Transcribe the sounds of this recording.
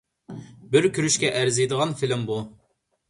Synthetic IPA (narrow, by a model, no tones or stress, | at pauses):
bɪɾkʲyɾyʃkʲɛʔæɾzijd̪əʁɑnfilɪmbu